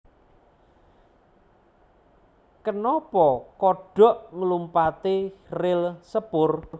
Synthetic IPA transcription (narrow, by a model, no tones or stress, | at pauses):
kənɔpɔkɔɖ̥ɔ̤ʔŋəlumpat̪irɪlsəpʊr